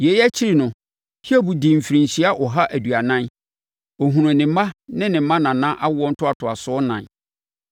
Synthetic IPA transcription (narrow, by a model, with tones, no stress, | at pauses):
je˨˦jæ˦t͡ɕʰi˦ɾi˨nʊ̃˨ | hi˦ɛ˦bu˨di˨m̩˨fi˨ɾĩ˨n̩˨ɕi˦a˦ʔɔ˨ɦa˦ʔæ˨dɥa˨nã˦n | ɔ˨ɦũ˨ɾʊ̃˨nɪ̃˨m˦mã˦nɪ̃˦nɪ̃˨m˦mã˦nã˨nã˦ʔa˦wʊ˦ɔ˦n̩˦tʰʊ˦a˨tʰʊ˨a˨sʊ˨˦ɔ˦nã˨n